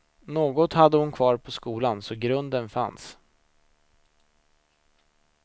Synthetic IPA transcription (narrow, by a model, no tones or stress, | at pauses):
noːɡɔt̪had̪ːəhʊnkʰvɑːɾpʰɔskuːlansɔɡɾɵnd̪ənfa̰ns